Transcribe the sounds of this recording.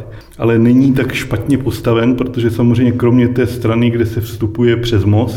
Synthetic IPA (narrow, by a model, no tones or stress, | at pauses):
ʔalɛnɛɲiːt̪̬akʃpat̪ɲɛpo̞st̪avɛnpɾo̞t̪o̞ʒɛsamozrɛjɲɛkɾo̞mɲɛt̪ɛːst̪ɾanɪɡdɛsɛfst̪upujɛpr̝̥ɛzmo̞s